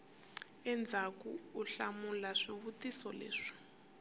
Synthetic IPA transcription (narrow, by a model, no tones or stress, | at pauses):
ɛnd͡zʱakuuɬamulaʂiβutisɔlḛːʂi̥